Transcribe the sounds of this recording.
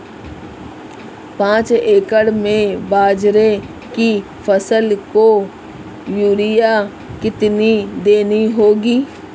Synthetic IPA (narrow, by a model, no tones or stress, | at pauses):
pãːt͡ʃeːkəɽmẽbaːd͡ʒɾe | ki | fʰəsəlko | juːɾɪja | kɪt̪nid̪eːniɦoːɡiː